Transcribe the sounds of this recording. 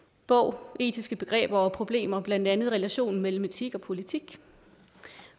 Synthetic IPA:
b̥ɔʊ̰ʔe̝̰ːd̥isɡ̥əb̥e̝ɡ̥ʁɛ̰ːb̥ɒɒpʰʁo̝b̥le̝̰ːmɐb̥læn̰d̥ænð̞̩ˠʁɛlæɕo̝̰ːnmel̰m̩et͡sʰiɡ̥ɒ̽pʰo̝lit͡sʰiɡ̥

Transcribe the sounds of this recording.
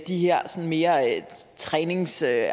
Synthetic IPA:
d̥iheɐ̰sɒ̽nme̝ːɐ | t͡sʰʁɛːne̝ŋsø

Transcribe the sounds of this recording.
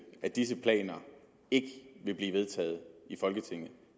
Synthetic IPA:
æd̥is̬əpʰlɛ̰ːnɐ | e̝ɡ̥əʋe̝b̥liːʋe̝ð̞ˠt͡sʰɛ̰ːð̞̩ˠifɒ̽lɡ̥ət͡sʰe̝ŋ̰ð̩ˠ

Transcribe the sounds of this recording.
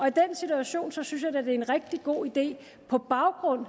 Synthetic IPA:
ɒ̽id̥en̰sit͡suæɕo̝̰ːnsɒ̽synsjɑ̈d̥ed̥e̝e̝nʁɛɡ̥̚d̥iɡ̥o̝̰ːid̥e̝̰ː | pʰɒ̽b̥ɑ̈ʊɡ̥ʁɔ̽n̰

